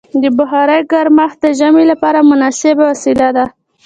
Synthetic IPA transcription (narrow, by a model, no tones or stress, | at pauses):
d̪əbʊɦɑɾəjɡaɾmaxd̪əʒamelapɑɾamʊnɑsɪbawasilad̪a